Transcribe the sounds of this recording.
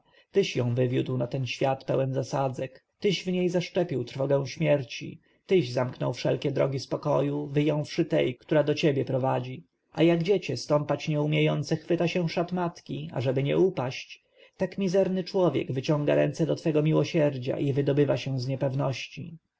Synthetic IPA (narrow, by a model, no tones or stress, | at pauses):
t̪ɪɕjɔ̃w̃vɘvʲjud̪wnat̪ɛnɕfʲjat̪pɛwɛnzasad̪zɛkt̪ɘɕvɲejzaʂt͡ʂɛpʲiwt̪ɾfɔɡɛ̃w̃ɕmʲjɛɾt͡ɕḭ | t̪ɘʑzamknɔ̰wfʂɛlkʲɛd̪ɾɔɡʲispɔkɔjuvɘjɔ̃w̃fʂɘt̪ɛ̰jkt̪uɾad̪ɔt͡ɕebʲjɛpɾɔvad͡ʑi | a̰jaɡd͡ʑɛt͡ɕɛst̪ɔmpat͡ɕɲɛumʲjejɔnt̪sɛxfɘt̪aɕɛ̃ʂat̪mat̪kʲia̰ʐɛbɘɲɛ̰upaɕt͡ɕ | t̪akmʲizɛɾnɘt͡ʂwɔvʲjɛ̰ɡvɘt͡ɕɔ̃ŋɡa̰ɾɛ̰nsɛd̪ɔt̪fɛɡɔmʲiwɔɕɛɾd͡ʑa̰ʔivɘd̪ɔbɘvaɕɛ̃zɲɛpɛvnɔɕt͡ɕi